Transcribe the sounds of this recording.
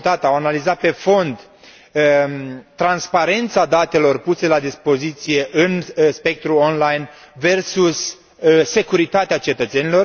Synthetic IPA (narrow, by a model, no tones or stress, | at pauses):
t̪at̪awanalizat̪̚pe̞fo̞nd̪ | t̪ːɾanspaɾe̞nt̪sad̪at̪e̞lo̞rpuse̞lad̪ispo̞zit̪sije̞ʔɨnspe̞k̚t̪ɾuonlajn | ve̞rsusː | e̞kuɾit̪at̪eat͡ʃe̞t̪ət̪se̞nilo̞r